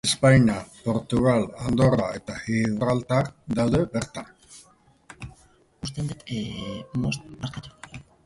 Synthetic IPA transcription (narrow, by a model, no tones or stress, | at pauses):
espajɲapo̞ɾt̪uɣ̞aland̪o̞rae̞t̪axiβɾalt̪aɾd̪awðe̞βeɾt̪an | ust̪end̪et̪emost̪̚maɾkat̪u̥